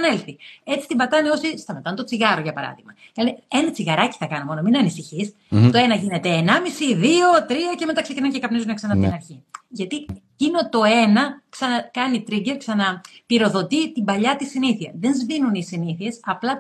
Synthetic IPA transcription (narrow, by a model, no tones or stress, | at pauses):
nelθie̞t͡si̥t̪imbɐt̪ɐneo̞sist̪ɐmet̪ɐnt̪o̞t͡siɣɐɾo̞ʝɐpɐɾɐ̰ðiɣmɐ | lneenɐt͡siɣɐɾɐci̥θɐkɐnomo̞nominɐnisiçis | t̪o̞e̞nɐʝine̞t̪e̞ːnɐmisiðio̞t̪ɾiɐce̞me̞t̪ɐksecinɐncekɐpnizuneksɐnɐpot̪inɐɾçiʝɐt̪icino̞t̪o̞e̞nɐksɐnɐkɐnit̪ɾiɟe̞ɾksɐnɐpiɾo̞ðo̞t̪it̪imbɐʎɐt̪isiniθiɐðe̞nzvinunisiniθie̞sɐplɐ